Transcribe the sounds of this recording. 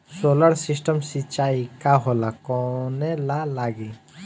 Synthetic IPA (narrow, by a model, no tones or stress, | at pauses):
soləɾsisʈəmsit͡ʃaikaɦolakɔnelalaɡi